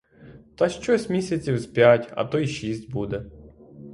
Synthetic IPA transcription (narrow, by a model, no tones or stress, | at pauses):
t̪ɐʃt͡ʃɔsʲmʲisʲɐt͡sʲiwspʲjatʲɐ̰t̪ɔiʃisʲtʲbud̪ɛ